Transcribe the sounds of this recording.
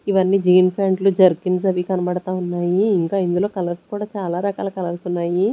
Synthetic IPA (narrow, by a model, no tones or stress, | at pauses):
iʋɐnːiːd͡ʒiːnpʰaːɳɖlud͡ʒɐɾkinsɐʋikɐnɐbɐɽɐt̪aːunːaːjiːŋkaːind̪ulo̞ːkɐlɐɾskuːɽaːt͡ʃaːlaːɾɐka̰ːlɐkɐlɐɾsunːaːji